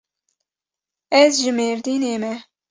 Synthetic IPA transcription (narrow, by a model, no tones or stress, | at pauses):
ɛzʒɨmeːɾd̪iːneːmɛ